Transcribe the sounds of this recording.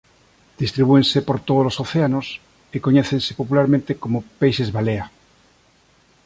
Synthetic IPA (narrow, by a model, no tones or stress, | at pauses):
d̪̥ist̪ɾiβuensepoɾt̪oðolosoθeanos | ekoɲeθẽnsepopulaɾmẽnt̪ekomopejsezβalea